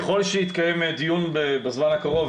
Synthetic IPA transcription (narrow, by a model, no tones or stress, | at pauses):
eχo̞lʃejit̪kaje̞med̪ijunbebezmanhakaʁo̞v